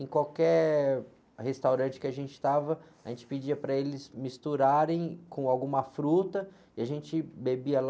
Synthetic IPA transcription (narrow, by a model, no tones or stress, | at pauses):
ẽkwawkɛɾ | hest̪awɾɐ̃t͡ʃɪ̥kɪaʒẽnt͡ʃɪ̥t̪avɐ | aʒẽt͡ʃɪ̥pid͡ʒiɐpɾɐelɪzmist̪uɾaɾẽj̃kõawɡũmɐfɾut̪ɐ | ɪaʒẽnt͡ʃɪbebiɐl